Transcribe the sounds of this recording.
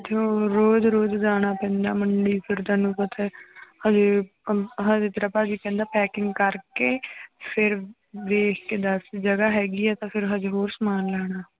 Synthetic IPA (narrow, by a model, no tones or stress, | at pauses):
t̪eoɾoːd̪ɾoːd̪d͡ʒaːɽ̃aːpɛ̃ːnd̪a̰ːməɳɖiːpʰɪɾd̪aːnũːpət̪ʰɛːhəd͡ʒe | ɦə̃d͡ʒet̪ɾəpaːd͡ʒiːpɛ̃ːnd̪aːpɛːkɪŋɡkəɾkeːpʰɪɾ | d̪eːkʰkeːd̪əsd͡ʒəɡaːɦɛːɡiːɛːt̪ãːpʰɪɾɦəd͡ʒeɦoːɾsəmaːnlɛːɽ̃aː